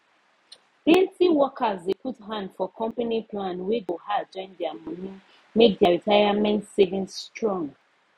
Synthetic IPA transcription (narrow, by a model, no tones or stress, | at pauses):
bẽntiwɔkazdeputɦãndfɔkʰɔ̃mpaniplãnwiɡohad͡ʒɔ̃ɪ̃ndɛamunĩn | mek̚daɹitʰaɪamɛ̃ntsevĩnstɹɔ̃ŋɡ